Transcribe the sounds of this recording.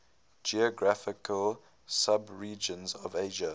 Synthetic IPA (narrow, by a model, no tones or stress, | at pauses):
d͡ʒiɔɡɹafɪkʰəl | sabɹiːd͡ʒə̃nzɔveɪʒə